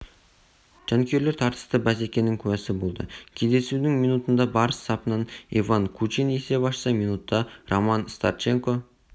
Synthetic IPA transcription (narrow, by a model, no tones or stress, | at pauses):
ʒ̥ɑŋkʲʰe̞ɾle̞ɾt̪ʰɑɾt̪ə̥st̪əbæse̞kʲe̞nɪŋkʲʰʉwæsɪbo̞lˠd̪əkʲʰe̞zd̪e̞sud̪ɪŋminut̪ənd̪ɑbɑɾəst̪ʰɑpənɑnḛvaŋkʰut͡ʃinese̞bɑʃsɑminut̪ːɑrʔomɑnst̪a̰ɾt͡ʃe̞ŋko̞